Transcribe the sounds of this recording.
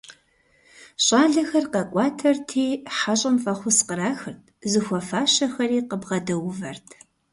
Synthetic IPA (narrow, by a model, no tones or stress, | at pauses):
ɕʼɑːɮɐxɐrqɐkʷʼɑːtʰɐrtʰiːħaɕʼɐmfɐχʷʊsqəɾaːxɨrtʰzɨxʷɔfaːɕɐxɐriːqəbʁɐdɐwʊvɐrtʰ